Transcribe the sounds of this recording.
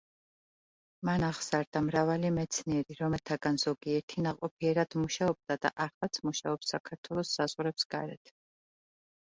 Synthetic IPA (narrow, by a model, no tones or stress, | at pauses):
manaʁsaɾd̪amɾavalimɛt̪sʰniɛɾiɾɔmɛlˠt̪ʰaɡanz̥ɔɡiɛɾt̪ʰinaʁqʼɔpʰiɛɾad̪̥muʃaɔb̚d̪ad̪a̰ʔaɾlˠat̪sʰmuʃaɔpsːakʰaɾt̪ʰwɛlˠɔsːazʁɾɛpsɡ̥a̰ɾɛt̪ʰ